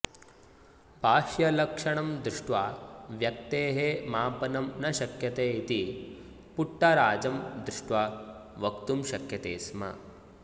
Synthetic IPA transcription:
bʱaːʃjɐlɐkʂɐɳɐmd̪ɾuʂʈʋaʋjɐk̚t̪eːɦemaːpɐnɐmnɐʃɐkjɐt̪eːit̪i | puʈːɐɾaːd͡ʒɐmd̪ɾuʂʈʋaʋɐkt̪umʃɐkʰjɐt̪ḛːsmɐ̰

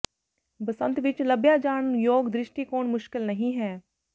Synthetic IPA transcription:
bɐsə̃nt̪ʋɪt͡ʃləbjad͡ʒaːɳjoːɡd̪ɾɪʃʈikoːnmʊʃkɪlnɐɦĩɦɛː

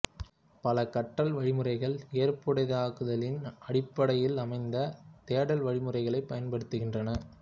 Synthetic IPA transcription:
pɐlɐkɐʈːɐlʋɐɻɪmɯrɐɪɣɐɭejɐrpɯɽɐðaːɣɯðɐlɪnɐɽɪpːɐɽɐjɪlɐmɐɪnd̪ɐt̪eːɽɐlʋɐɻɪmɯrɐɪɣɐɭɐɪpːɐjɐnpɐɽɯt̪ːɯɣɪndrɐnɐ

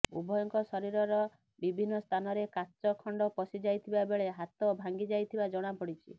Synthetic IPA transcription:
ṵbʱɔjɔŋkɔsɔɾiɾɔɾɔ | bibʱinːɔst̪ʰanɔɾekat͡ʃɔkʰɔɳɖɔpɔsid͡ʒajt̪ʰibabeɭeɦat̪ɔbʱaŋɡid͡ʒajt̪ʰibad͡ʒɔɽ̃apɔɽit͡ʃʰḭ

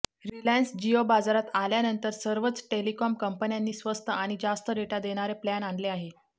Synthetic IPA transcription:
ɾilansd͡ʑiobad͡zaɾat̪aljanənt̪əɾsəɾʋət͡sʈelikɔmkəmpənjanːiːsʋəst̪əaɽ̃id͡zast̪əɾeʈad̪eɽ̃aɾeplanaɳɖleaɦe

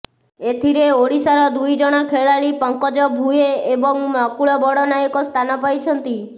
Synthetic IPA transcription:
et̪ʰiɾeoɽisaɾɔd̪ujd͡ʒɔɽ̃ɔkʰeɭaɭipɔŋkɔd͡ʒɔbʱueebɔŋmɔkuɭɔbɔɽɔnajɔkɔst̪ʰanɔpajt͡ʃʰɔnt̪i

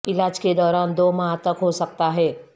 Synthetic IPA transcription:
ɪlaːd͡ʒked̪ɔːɾaːnd̪oːmaɦat̪əkɦosɐk̚t̪aɦɛː

